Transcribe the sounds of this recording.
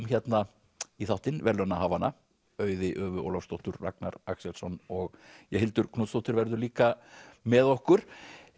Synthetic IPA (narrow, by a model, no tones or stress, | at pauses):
mçjɛt̪na | iθawht̪ɪnvɛɾlœnaɦaːvanːa | œːɥðɪʔœːvʏo̰wlafst̪owht̪ʏɾːa̰kna̰ɾaksɛlsɔnɔɣjɛhɦɪlt̪ʏɾkʰnuːt̪st̪owht̪ʏɾvɛɾðʏliːkamɛðohkʏɾ̥